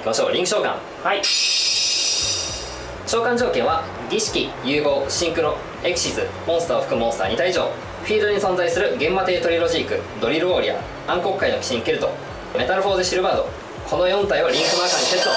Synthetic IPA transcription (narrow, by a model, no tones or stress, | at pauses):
kʲimaɕo̞ːɾʲĩŋkɯ̟ɕo̞ːkã̰ŋ | hai | t͡ɕo̞ːkãɲ̟d͡ʑo̞ːkẽ̞ɰ̃βa | ɡʲiɕi̥kʲijɯːɡo̞ːɕĩŋkɯ̟no̞ | e̞kɯ̟̥ɕisɨmõsɨ̥t̪aːoɸɯ̟̥kɯ̟mõsɨ̥t̪a̰ːɲit̪aiʑo̞̰ː | ɸʲiːd̪oɲ̟isõ̞nzaisɨɾɯ̟ɡẽ̞mːat̪e̞ːt̪o̞ɾʲiɾo̞ʑikɯ̟̰d̪o̞ɾʲiɾɯ̟o̞ːɾʲḭa̰ | ãŋko̞kɯkːaino̞kʲi̥ɕĩŋkeɾɯ̟t̪o̞̰ | me̞t̪aɾɯ̟ɸo̞ːzɕiɾɯ̟baːd̪o̞̰ | kʰo̞no̞jõ̞nt̪aiβaɾʲĩŋkɯ̟makaɲ̟ːiset͡sɨ̥t̪o